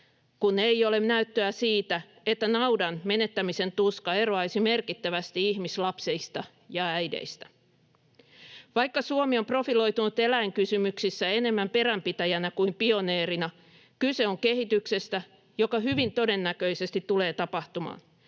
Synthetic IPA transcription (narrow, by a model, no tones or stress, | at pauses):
kunejo̞le̞mnæyt̪ːøæsiːt̪æ | et̪ːænɑwdɑnme̞ne̞t̪ːæmise̞nt̪uskɑe̞roɑijsime̞rkit̪ːæʋæst̪iiçmislɑpseist̪ɑ | jɑæjdḛist̪æ̥ | ʋɑjkːɑsuomio̞mpro̞filo̞jt̪unut̪e̞læiŋkysymyksisːæe̞ne̞mːæmpe̞ɾæmpit̪æjænækuimpio̞neːɾinɑ | kyse̞oŋke̞hit̪ykse̞st̪æ | jo̞kɑɦyʋint̪o̞de̞nːækø̞ise̞st̪it̪ːuleːt̪ɑpɑht̪umɑ̰ːn